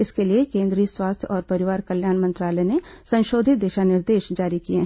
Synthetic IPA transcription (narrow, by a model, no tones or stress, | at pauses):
ɪskeliekẽːnd̪ɾiːəswaːst̪ʰjɔːɾpɐɾɪʋaːɾkɐljaːnmɐ̃nt̪ɾaːlɛnesɐ̃nʃoːd̪ʱɪt̪̚d̪eːʃanɪɾd̪eːʃd͡ʒaːɾikieɦ